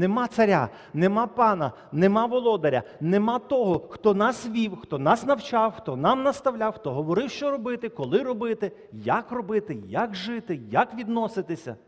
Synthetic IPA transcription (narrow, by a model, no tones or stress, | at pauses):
nemɑt̪sɐɾʲa̰ | nemɑpɑnɐ | nemɑʋɔlˠɔd̪ɐɾʲɐ̰nemɑt̪ɔɦɔxt̪ɔnɑsʋʲiwxt̪ɔnɑsnɐwt͡ʃɑwxt̪ɔnɑmnɐst̪ɐwlʲawxt̪ɔɦɔʋɔɾɪwʃt͡ʃɔɾɔbɪt̪ɪkɔlˠɪɾɔbɪt̪ɪ | jakrɔbɪt̪ɪjakʒɪt̪ɪjakʋʲid̪nɔsɪt̪ɪsʲɐ̰